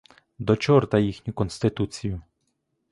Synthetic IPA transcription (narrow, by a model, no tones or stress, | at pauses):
d̪ɔt͡ʃɔrt̪ɐjixnʲʊkɔnst̪ɪt̪ut͡sʲijʊ